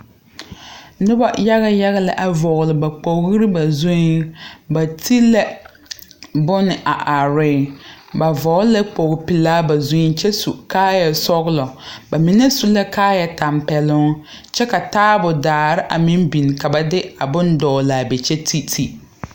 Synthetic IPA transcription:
nʊ˦ba˦ja˦ɣa˦ja˦ɣa˦la˨ʔa˨vɔ˨ɣlɪ˨ba˨k͡po˨˦ɣɪ˦ɾɪ˦ba˨zu˦ba˨tʰi˦lɛ˦ | bʊ˦nɪ˨ʔa˨ʔa˨ɾɪ˦ba˨vɔ˨˦lɛ˦k͡po˨ɣpi˨laː˦ba˨zu˦t͡ʃɛ˦su˨kaː˦jɛ˨sɔ˦ɣlɔ˨ba˨mi˨nɛ˦su˦la˦kaː˦jɛ˨ta˨mpɛ˨lʊ˦ | t͡ʃɛ˦ka˨taː˦bʊ˨daː˨ɾɪ˦ʔa˨mi˦mbi˨n˨ka˨ba˨dɪ˦a˨bʊ˦ndɔː˨la˨bɛ˨t͡ʃɛ˦tʰi˦tʰi˦

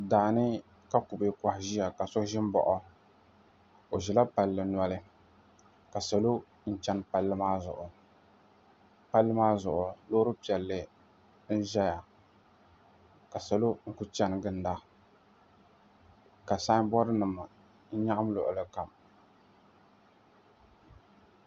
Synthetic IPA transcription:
daː˨nɨ˦ | ka˦ku˨be˨ka˨hɪ˨ʒi˦ja˨ka˨sɔ˦ʒɪ˦m˦bɔ̰˨ʔɔ˦ | o˨ʒɪ˨la˦pa˨lːɨ˨na˦lɨ˦ | ka˨sa˨lo˦ | n̩˦t͡ʃɛ˦npa˨lːɨ˦maː˦zʊ̰˨ʔʊ˨ | pa˦lːɨ˦maː˦zʊ˨ʔʊ˨loː˦ɾɨ˦pi˨ɛ˨lːɨ˨ | n̩˦ʒɛ˦ja˨ | ka˨sa˨lo˦ŋ̩˦ku˦t͡ʃɛ˦n˨ɡɨ˨n˦da˦ | ka˨saː˦bɔ˦ɾɨ˦nɨ˨ma˨ | n̩˦ɲa˦ʔa˦m˦lʊ̰˨ʔʊ˨lɨ˨ka˨m

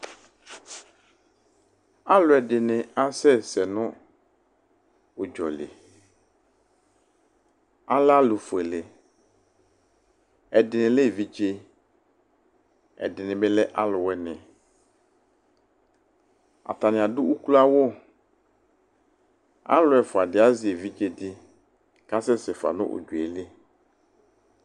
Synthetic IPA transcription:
a˦lʊ˨ɛ˨dɪ˨nɪ˨a˦sɛ˦sɛ˨nʊ̃˦ | ʊ˨d͡ʒɔ˨lɪ̰˨ | a˦la˦lʊ˨fe˨lɪ˨ | ɛ˨dɪ˨nɪ̃˨le˦˨vi˨d͡ʒe˦ | ɛ̰˨dɪ˨nɪ̃˨be˦lɛ˦ʔa˦lʊ˨wɛ˦nɪ̃˨ | a̰˨t̪a˨nɪ̃˨a˨dʊ˦wu˦klo˦a˦wo˦ | a̰˦lʊ˨˦ɛ˨fʊ˨a˨dɪ˨a˦zi˨e˨vi˦d͡ʒe˦dɪ˦ | ka˦sɛ˦sɪ˨fa̰˨nʊ̰̃˦ʔʊ̰˨d͡ʒu˨e˨lɪ˦

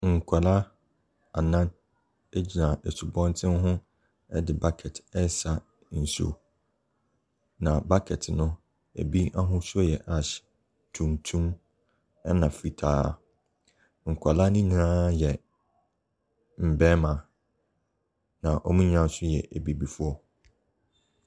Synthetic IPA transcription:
ŋ̩˨kʷʰa˨la˦ | a˨nã˦n | e˦d͡ʑi˨nã˨e˨su˨bɔ̃˦n˦tʰɪ̃˦nɦʊ̃˦ | ɛ˦dɪ˨ba˦kʰɛ˨tʰɛ˦sa˨ | n̩˨so̰˨ | nã˨ba˦kʰɛ˨tʰnʊ̃˦ | æ̰˨bi˦a˦ɦʊ̃˦sɔ˦jɛ˨ʔa˨ɕ | tʰũ˨mtʰũ˦m | ɛ˦nã˨fi˨tʰaː˦˨ | ŋ̩˨kʷʰa˨la˦nĩ˦ɲ̃˨ãː˦jɛ˨ | m̩˨bɛ̃˦mã˨ | nã˨ʔɔ˨mĩ˦ɲ˦ã˦˨˦sʊ˦jɛ̰˨ʔæ˨bi˨bi˨fu˦ɔ˦

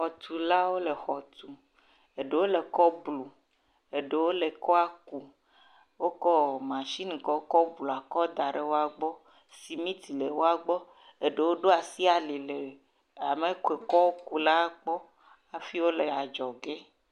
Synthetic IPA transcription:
xɔ˨t̪ʰu˨la˦wo˦le˨xɔ˨t̪u˨ | e˨ɖe˨wo˦le˨kɔ˦blu˨ | e˨ɖe˨wo˦le˨kɔ˦a˦ku˨ | wo˦kɔ˦mã˨ʃi˦nĩ˨kɔ˨˦kɔ˦blu˨a˨kɔ˦d̪a˨ɖe˨wo˦a˨ɡ͡bɔ˦ | si˨mĩ˦t̪i˨le˨wo˦a˨ɡ͡bɔ˦ | e˦ɖe˨wo˦ɖo˦a˨si˦a˨li˨le˨ | a˨me˨˦ke˨kɔ˦o˦ku˦la˦k͡pɔ˦ | a˨fi˦wo˦le˨a˨d͡ʒɔ˨ɡe˦

